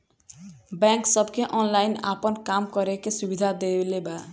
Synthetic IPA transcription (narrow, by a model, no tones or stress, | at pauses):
bɛŋksɔbkeʔɔnlajna̰pɔnkamkɔɾekesubid̪ʱad̪ebleba